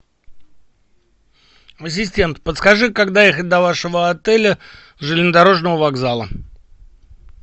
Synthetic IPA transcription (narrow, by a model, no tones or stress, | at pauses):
ɐs̬ʲɪsʲtʲe̞nt̪pət̪skɐʐɨkaɡd̪ajexət̚ʲd̪ɐvaʂəvəɐt̪ɛlʲə | ʐɨlʲɪnəd̪ɐɾo̞ʐnəvəvaɡzalˠə̰